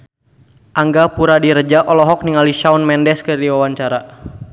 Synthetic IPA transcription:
ʔaŋɡapuɾadiɾəd͡ʒaʔɔlɔɦɔk̚niŋaliʃaunmɛndɛskərdiwawaɲt͡ʃaɾa

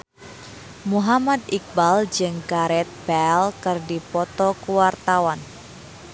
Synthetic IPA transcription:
muɦamad̪ik̚bald͡ʒɨŋkaɾɛt̪̚b̥ɛlkɨrdipɔt̪ɔkuwart̪awan

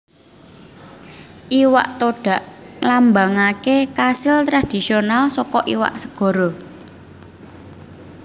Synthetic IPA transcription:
ʔiwa̰ʔt̪oɖ̥ä̤ʔlambaŋakekasɪlt̪ɾad̪̥i̤sionalsɔkɔʔiwa̰ʔsəɡ̥ɔ̤ɾɔ

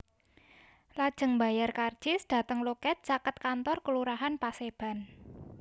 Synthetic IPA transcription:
lad̥ʒ̥ə̤ŋba̤jarkard̥d͡ʒ̥ɪsd̥a̤t̪əŋlokɛt̪̚t͡ʃakət̪̚kant̪ɔrkəluɾaɦanpaseb̥a̤n

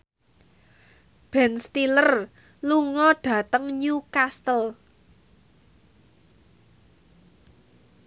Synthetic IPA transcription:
b̥ɛnst̪ilər | luŋɔɖ̥ä̤t̪əŋɲukast̪əl

